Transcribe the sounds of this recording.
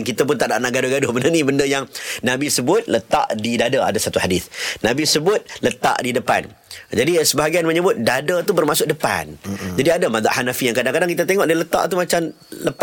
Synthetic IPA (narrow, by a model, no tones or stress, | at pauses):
nkit̪ap̬ʊnt̪aʔdaʔnaʔɡadʊhɡadʊhbəndənĩbəndəjaŋnãbisəbʊt̪̚lət̪a̰ʔdidadaa̰dasat̪uħadiθnãbisəbʊt̪̚lət̪a̰ʔdidəpa̰n | d͡ʒadisəbaɦaɡianməɲəbʊt̪̚dadat̪ubərmasʊk̚dəpa̰nd͡ʒadiadamad̪a̰ʔhanafijaŋkadaŋkadaŋkit̪̬at̪eŋɔʔdalət̪a̰ʔt̪umat͡ʃam | ləp